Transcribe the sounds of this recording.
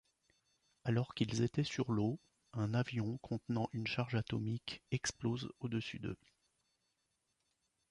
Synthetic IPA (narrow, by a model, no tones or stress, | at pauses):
alɔʁkilzet̪ɛsyʁlo | ɛ̃navjɔ̃kʰɔ̃t̪nɑ̃ʔynʃaʁʒat̪ɔmikɛksplozod̪əsy̰d̪ə̰